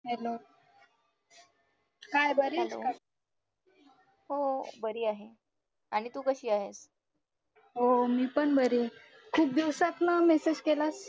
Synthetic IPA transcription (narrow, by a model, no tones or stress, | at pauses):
ɦelo | kajbəɾelo̰ka | hobəɾiːaɦe | aɽ̃it̪uːkəɕiːaɦes | ɦomiːpəɳbəɾe | kʰuːp̚d̪iwsat̪namesed͡ʑkelas